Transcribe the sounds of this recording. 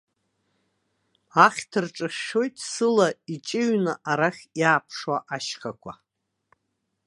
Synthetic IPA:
aχʲtʰɨrʈ͡ʂʼɨχʲʃo̞jtʼsɨlait͡ʃʼɪɥnaʔaɾaχʲjaːpʰʂwaʔaʃχakʷʰa̰

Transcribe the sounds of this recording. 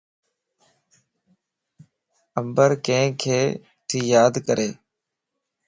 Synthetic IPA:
əmbəɾkẽːkʰeː | ʈʰiːjaːd̪kəɾeː

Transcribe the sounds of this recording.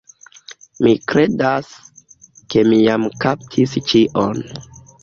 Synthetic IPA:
mikɾe̞das | ke̞mijamkaptʰist͡ʃiʔon

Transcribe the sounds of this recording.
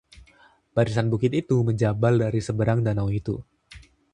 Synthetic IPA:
b̥aɾisanbukɪt̪it̪uməɲd͡ʒabaldaɾisəbəɾaŋdanawit̪u

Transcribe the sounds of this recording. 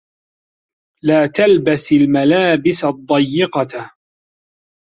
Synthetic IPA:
laːt̪albasɪlmalaːbɪsad̪ˤːɑjːɪqɑ

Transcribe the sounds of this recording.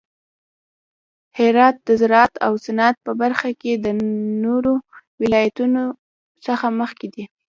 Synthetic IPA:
hɪɾɑt̪̚d̪əzaɾɑat̪a̰wsanat̪̚pəbaɾxaked̪ənoɾowɪlɑjat̪uno | səxaməxkid̪i

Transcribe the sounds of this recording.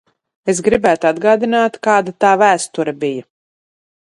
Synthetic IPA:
e̞s̬ɡɾibæːt̪uad̪ɡaːd̪inaːt̪kaːd̪at̪aːvæːst̪uɾɐbija

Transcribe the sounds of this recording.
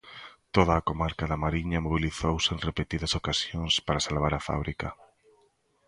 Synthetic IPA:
t̪oðɐːkomaɾkɐðamaɾiɲɐmoβ̞iliθowsɪeŋrepet̪iðɐsokasjoŋspaɾasalβaɾafa̰β̞ɾikɐ

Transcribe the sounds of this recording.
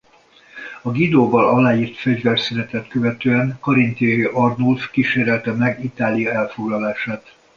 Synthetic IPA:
ɒɡid̪oːbɒlɒlaːjiːrt̪fɛɟvɛrsyɾɛt̪ɛt̪køvɛt̪øːɛŋkɒɾint̪iɒjiʔɒrnulfkiʃeːɾɛlt̪ɛmɛɡit̪aːlijɒɛlfo̞ɡlɒlaːʃaːt̪

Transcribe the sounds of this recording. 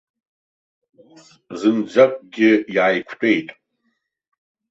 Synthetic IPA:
zɨmd͡ʒʷakʷʼɡʲɪiʕajkʷʰtʼe̞jtʼ

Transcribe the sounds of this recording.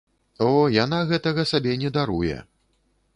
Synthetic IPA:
ɔjanaɣɛt̪ɐɣɐsabʲɛnʲɛd̪aɾujɛ̰

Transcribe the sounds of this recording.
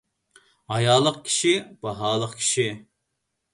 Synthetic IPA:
ɑjɑːlˠəqkʲʰi̥ʃib̥ɑɦɑːlˠəqkʲʰi̥ʃi

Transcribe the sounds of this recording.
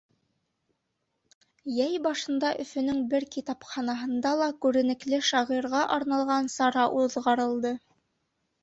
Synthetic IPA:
jæjbɑʃɤ̆nd̪ɑʔɵ̆fɵ̆nɵŋbɘɾkit̪ɑpχɑnɑɦɤ̆nd̪ɑlˠɑkʉɾɘ̆nɘ̆klɘʃɑʁiɾʁɑʔɑɾnɑlˠʁɑnsɑɾɑʔuðʁɑɾɤ̆lˠd̪ɤ

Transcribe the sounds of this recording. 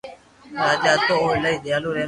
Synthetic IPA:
ɾaːd͡ʒaːt̪oːoːləiːd̪ɪjaːluːɾeː

